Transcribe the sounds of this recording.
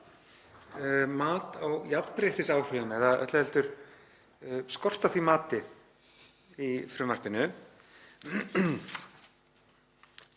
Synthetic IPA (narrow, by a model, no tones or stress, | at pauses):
maːt̪awjappɾeːht̪ɪsaːwr̥ʏðʏmɛɾðaʔœ̰t̪lɛlt̪ʏɾ̥ | skɔr̥t̪aθvimaːt̪ɪ | ifɾʏːmːar̥pɪnʏ